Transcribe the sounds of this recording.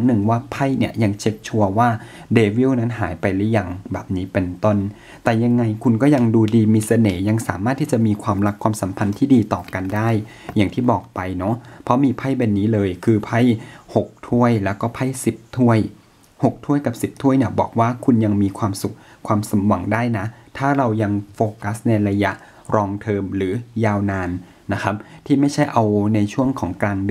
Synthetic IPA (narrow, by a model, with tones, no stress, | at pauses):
ŋnɯ˨˩ŋwaː˥˩pʰa˥˩jni˦˥˩əja˧ŋt͡ɕʰe˦˥k̚t͡ɕʰu˧ɐwaː˥˩deː˧wi˥˩˨wna˦˥nɦaː˩˦jpa˧jlɛ˦˥jːa˨˩ŋbɛ̰ː˨˩p̚niː˦˥pe˧nt̪o˥˩n | t̪ɛː˨˩ja˧ŋːa˧jkʰu˧nkɔː˥˩ja˧ŋduː˧diː˧miː˧sa˧nɤː˩˦ja˧ŋsa̰ː˩˦maː˥˩t̪ʰːiː˥˩t͡ɕa˨˩ʔmiː˧kʰwaː˧mla˦˥kʰwaː˧msa˩˦mpʰa˧nt̪ʰiː˥˩diː˧t̪ɔː˨˩ka˧ndaː˥˩j | jːaː˨˩ŋt̪ʰiː˥˩bɔː˨˩k̚pa˧jnɔ˦˥pʰɔ˦˥miː˧pʰa˥˩jbe˧nːiː˦˥lɤː˧jkʰɯː˧pʰa˥˩jho˨˩k̚t̪ʰu˥˩əjlɛː˦˥wkɔː˥˩pʰa˥˩jsi˨˩p̚t̪ʰu˥˩əj | ho˨˩k̚t̪ʰu˥˩əjka˨˩p̚si˨˩p̚t̪ʰu˥˩əjni˥˩bɔ̰ː˨˩k̚waː˥˩kʰu˧nja˧ŋmiː˧kʰwaː˧msu˨˩k̚kʰwaː˧msa˩˦mwa˨˩˦ŋdaː˥˩jna˦˥ʔt̪ʰaː˥˩ɾa˧wja˧ŋfoː˧ka˦˥sna˧jɾa˧ja̰˦˥ʔ | ɾɔː˧ŋt̪ʰɤː˧mɾɯː˩˦jaː˧wnaː˧nː | a˦˥kʰa˦˥p̚t̪ʰiː˥˩ma˥˩jt͡ɕʰa˥˩jʔa˧wna˧jt͡ɕʰu˥˩əŋkʰɔː˩˦ŋklaː˧ŋ